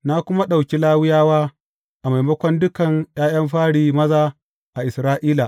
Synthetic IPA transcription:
na˦kʷʊ˦ma˦ɗa˨wkʲi˦laː˦wɪ˦jaː˦waː˦ | ʔa˨ma˨jmɐ˦kʷɔ˦ndʊ˦kɐ˨ŋj̰aː˦j̰ɐ˦mɸaː˦ɽiː˨mɐ˦zaː˦ | ʔa˨ʔɪ˨sɾaː˦ʔiː˦la˨ʔ

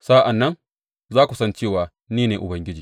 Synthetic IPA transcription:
sa˦ʔa˨nːɐ˦n | zaː˦kʷu˨sɐ˦nt͡ʃeː˦˨waː˨ | niː˦neː˨ʔʊ˨bɐ˦ŋɡʲɪ˦d͡ʒiː˨

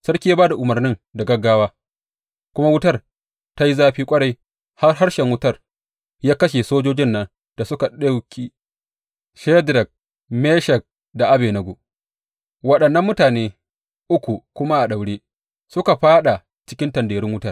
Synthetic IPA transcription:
sɐ˦rkʲiː˦ja˦baː˦da˨ʔʊ˨mɐ˨rnɪ˦ŋda˨ɡɐ˦ɡaː˦waː˦ | kʷʊ˦ma˦wʊ˦tɐ˦r | ta˦ji˦zaː˦ɸiː˦kʷʼɐ˦ɽɐ˦˨j | ha˦rɦa˦rʃɛ˨ŋwʊ˦tɐ˦r | jaː˦kɐ˦ʃe˨soː˦d͡ʒoː˦d͡ʒɪ˦nːɐ˦n | d̥a˨sʊ˦ka˨ɗa˦wkʲi˦ | ʃɛ˦dɾɛ˨k̚ | meː˦ʃɛ˨k̚ | da˨ʔa˦beː˨nɐ˨ɡʷoː˨ | wɐ˨ɗɐ˨nːɐ˦mːʊ˦taː˨neː˦ | ʔʊ˦kʷu˨kʷʊ˦ma˦ʔa˨ɗa˨wɽeː˦ | sʊ˦ka˨ɸaː˦ɗa˨ | t͡ʃɪ̥˦kʲɪ˦ntɐ˨ndeː˨ɾɪ˦ŋwʊ˦tɐ˦˨r

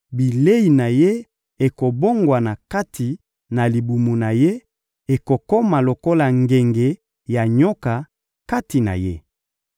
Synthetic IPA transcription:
bi˨le˦i˨na˨je˦ | e˨ko˨bo˦ŋɡwa˨na˨ka˦tʰi˨ | na˨li˨bu˨mu˨na˨je˦ | e˨ko˨ko˦ma˨lo˨ko˦la˨ŋɡe˨ŋɡe˨ | ja˨ɲo˦ka˨ | ka˦ti˨na̰˨je˦

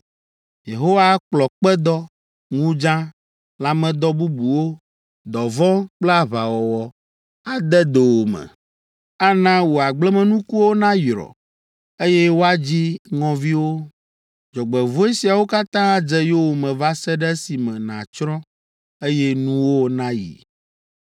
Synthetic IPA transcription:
je˨ɦo˦wa˦k͡plɔ˨k͡pɛ˦d̪ɔ˦ | ŋũ˦d͡ʒã˦ | la˨mɛ̃˨d̪ɔ˦bu˦bu˨wo˦ | d̪ɔ˨vɔ̃˦k͡plɛ˦a˨βa˨wɔ˨wɔ˨ | a˨d̪ɛ˦d̪e˨wo˨mɛ̰˨ | a˦nã˦wo˨a˨ɡ͡blɛ˦mɛ̃˨nũ˦ku˦wo˦nã˦jɾɔ̰˨ | e˦jɛ˦wo˦a˦d͡ʑi˦ŋɔ̃˨vi˦wo˦ | d͡ʒɔ˨ɡ͡bɛ˨vo˦e˦si˨a˨wo˦ka˦t̪ã˦a˦d͡ʒɛ˦jo˦wo˨mɛ̃˨va˦sɛ˦ɖɛ˦si˨mɛ̃˨nã̰˨t͡ʃɾɔ̃˦ | e˦jɛ˦nũ˦wo˦nã˦jḭ˨

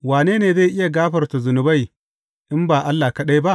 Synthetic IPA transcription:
waː˨neː˦neː˨za˦˨ʔɪ˦ja˨ɡaː˦ɸɐ˨rta˨zʊ˨nʊ˨ba˦˨j | ʔɪ˦mbaː˨ʔa˦lːaː˨kɐ˦ɗa˦jba˦ʔ

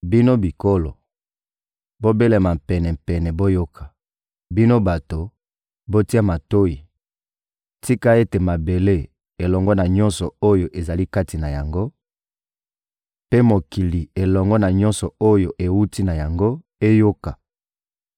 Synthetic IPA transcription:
bi˦no˦bi˨ko˦lo˨ | bo˦be˦le˨ma˨mpɛ˨nɛ˨m̩˨pɛ˨nɛ˨bo˦jo˦kʰḁ˨ | bi˦no˦ba˨to˨ | bo˦ti˦a˦ma˨to˦i˨ | ti˦ka˦e˦te˨ma˨be˨le˦ | e˨lɔ˨ŋɡɔ˦na˨ɲɔ˦nsɔ˨o˦jo˨ʔe˨za˨li˦ka˦ti˨na˨ja˨ŋɡo˦ | pe˦mo˨ki˨li˨e˨lɔ˨ŋɡɔ˦na˨ɲɔ˦nsɔ˨o˦jo˨ʔe˨wu˦ti˦na˨ja˨ŋɡo˦ | e˦jo˦ka˨

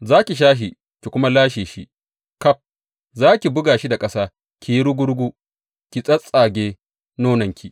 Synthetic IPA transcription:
zaː˦kʲi˨ʃ̬aː˦ɦi˨ | kʲi˨kʷʊ˦ma˦laː˦ʃeː˨ʃi˦ | kɐ˦ɸ̚ | zaː˦kʲi˨bʊ˦ɡaː˨ʃi˦da˨kʼɐ˦saː˦ | kʲi˨ji˦ɽʊ˦ɡʷʊ˦ɽɡʷu˦ | kʲi˨sʼɐ˦sʼaː˨ɡʲeː˦ | noː˦nɐ˨ŋkʲi˨ʔ

